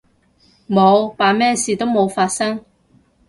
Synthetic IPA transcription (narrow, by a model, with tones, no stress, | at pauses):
mo˨˧wpaː˨˧mɛː˥siː˨t̪o˥wmo˨˧wfaː˧t̚sɐ˥ŋ